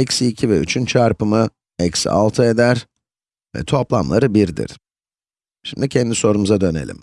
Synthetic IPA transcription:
ɛcsiːcʰivɛyt͡ʃʰynt͡ʃʰaɾpɯmɯ | ɛcsa̰lˠt̪ʰɯe̞d̪æɾ | vɛ̰t̪ʰo̞plˠamlˠaɾɯbiɾd̪ḭɾ̥ | ʃimd̪icʰɛnd̪iso̞ɾumuzad̪ø̞nelʲḭm

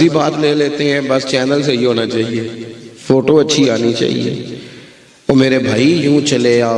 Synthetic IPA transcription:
ibaːt̪leːleːt̪eɦɛ̃bɐst͡ʃɛːnəls̬eɦiɦoːnat͡ʃaːɦieːfoːʈoɐtːʃʰiaːnit͡ʃa̰ːɦḭḛː | ɔːmeːɾebʱaːijũːt͡ʃɐleaː

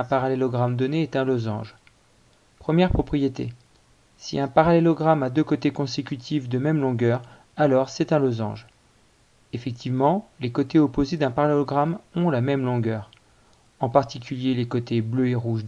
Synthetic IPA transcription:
ɛ̃paʁalelɔɡʁamd̪ɔneɛt̪ɛ̃lɔzɑ̰̃ʒ | pχəmjɛʁpχɔpχijet̪ḛ | sḭɛ̃paʁalelɔɡʁamad̪økot̪ekɔ̃sekʲyt̪ʰifd̪əmɛmlɔ̃ɡœʁ | alɔʁsɛt̪ɛ̃lozɑ̰̃ʒ | efɛk̚t̪ʰivmɑ̃lekot̪eopozed̪ɛ̃paʁalelɔɡʁamɔ̃lamɛmlɔ̃ɡœːʁ | ɑ̃paʁt̪ikʲyljelekot̪ebløeʁuʒ

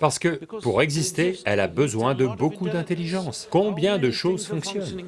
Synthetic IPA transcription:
paʁsə̥kəpuʁɛɡzist̪eɛlabəzwɛ̃d̪əbokud̪ɛ̃t̪eliʒɑ̃skɔ̃bjɛ̃d̪əʃozfɔ̃ksjɔn

